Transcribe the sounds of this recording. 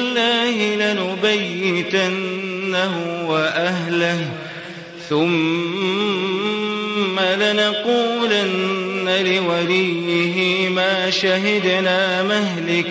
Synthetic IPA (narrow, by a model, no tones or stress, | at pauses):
lːaːhɪlanʊbajːɪt̪anːahʊwaʔaɦlah | θʊm | alanaquːlanːalɪwalij | ɪɦɪmaːʃaɦɪd̪naːmahlɪk